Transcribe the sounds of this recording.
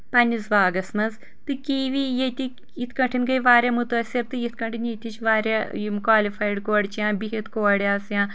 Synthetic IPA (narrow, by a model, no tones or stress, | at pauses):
pɐnʲizʋaːɡɐsmɐnz | t̪ɨkiːʋijet̪ʲi | it̪ʰkɐɳʈʰinɡɐjʋaːɾʲjaːmut̪ɐsʲiɾt̪ɨit̪ʰkɐɳʈʰinjet̪ʲit͡ʃʰʋaːɾʲjamkwaːlifʰaːjɖkoːɽt͡ʃjãːbiɦit̪ʰkoːɽjaːsjãː